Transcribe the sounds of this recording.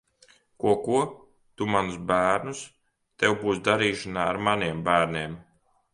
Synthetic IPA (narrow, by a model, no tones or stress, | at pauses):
kuɔkuɔ | t̪umanusbæːɾnus | t̪ɛwbuːsd̪aɾiːʃanaːaɾmaniɛmbæːɾnʲiɛm